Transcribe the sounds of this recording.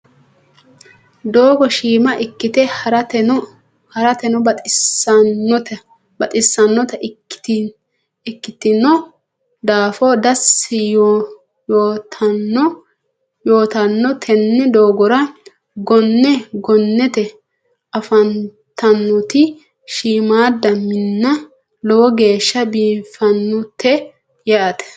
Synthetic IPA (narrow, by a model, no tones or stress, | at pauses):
d̪oːɡɔʃiːmɐʔɪkːɪt̪ɛɾ | hɐɾɐt̪ɛnɔ | ɔt̪ɐ | bɐt̪ʼɪsːɐnːɔt̪ɐ̥t | ɪkːɪt̪ɪnːɔ | d̪aːfɔːd̪ɐsɪj | joːt̪ʰɐnːɔ | joːt̪ɐnːɔt̪ʰɛnːɛd̪o̞ːɡɔɾɐ | ɡɔnːɛɡɔnːɛt̪ɛ | ɐfɐn | t̪ɐnːʊt̪ɪ | ʃiːmaːd̪ɐmɪnːɐ | lɔwɔɡe̞ːʃːɐbiːfɐnːʊt̪ːɛ | jaɐt̪ɛ̥